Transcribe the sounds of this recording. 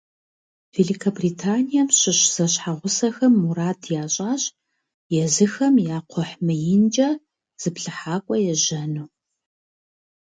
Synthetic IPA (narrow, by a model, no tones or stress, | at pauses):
veːlikʰɐbritʰaːnijɐmɕɪɕz̥ɐɕħaʁʷʊsɐxɐmːuɾaːtʰjaːɕʼaːɕʼ | jɛzɨxɐmjaːqʷʰɔħmɨjɪnd͡ʒʼɐ | z̥ɨpɬɨħaːkʷʼɔjɛʒɐnuː